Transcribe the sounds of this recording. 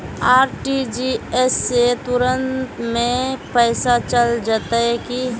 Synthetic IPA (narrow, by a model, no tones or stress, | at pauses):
aːɾʈid͡ʒiɛset̪ʊɾə̃ntt̪mẽpɛːsat͡ʃəld͡ʒaːt̪aɦɛki